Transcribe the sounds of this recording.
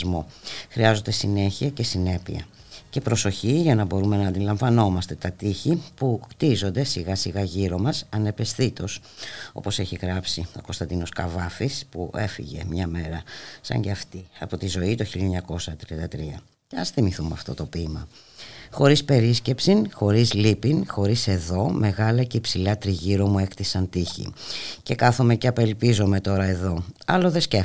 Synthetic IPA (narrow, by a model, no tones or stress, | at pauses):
zmo̞xɾiɐzo̞nd̪e̞sine̞çiɐce̞sine̞pḭɐ̰ | ce̞pɾo̞so̞çiʝɐnɐbo̞ɾume̞nɐːnd̪ilɐɱvɐno̞mɐst̪e̞t̪ɐt̪içipukt̪izo̞nd̪e̞siɣɐsiɣɐʝiɾo̞mɐsɐne̞pe̞sθit̪o̞s | o̞̰po̞se̞çiɣɾɐpsio̞̰ko̞st̪ɐnd̪ino̞skɐvɐfispuʔe̞fḭʝe̞̰mɲɐme̞ɾɐsɐ̰ɲɟeɐft̪iɐpo̞t̪izo̞it̪oçiʎeɲɐko̞sɐt̪ɾiɐnd̪ɐt̪ɾiɐ | ceɐsθimiθumɐ̰ft̪o̞̰t̪o̞pimɐ | xo̞ɾispe̞ɾisce̞psinxo̞ɾizlipinxo̞ɾise̞ðo̞me̞ɣɐlɐceipsilɐt̪ɾiʝiɾo̞mue̞kt̪isɐnt̪içḭce̞kɐθome̞ceɐpe̞lpizo̞me̞t̪o̞ɾɐe̞ðo̞ɐlo̞ðe̞sce